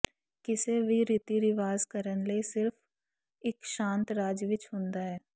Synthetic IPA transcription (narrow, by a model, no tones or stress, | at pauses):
kɪsebʱiɾɪt̪iɾɪʋaːzkəɾənlesɪɾf | ɪkʃãːnt̪ɾaːd͡ʒʋɪt͡ʃɦʊ̃ːnd̪aɦɛː